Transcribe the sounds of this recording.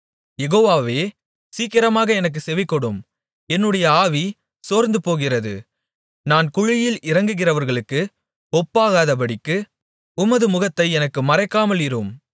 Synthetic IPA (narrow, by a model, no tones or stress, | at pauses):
jɛɣoːʋaːʋeː | siːkɪɾɐmaːɣɐɛnɐk̬ːɯsɛʋɪkːɔɽɯm | ɛnːɯɽɐjɐaːʋi | soːɾnd̪ɯpoːɣɪrɐðɯ̰ | naːnkʊɻɪjɪlɪrɐŋɡɯɣɪrɐʋɐɾɣɐɭɯkːɯ | ɔpːaːɣaːðɐpɐɽɪkːɯ | ʊmɐðɯmʊɣɐt̪ːɐɪɛnɐkːɯmɐɾɐɪkːaːmɐlɪɾɯm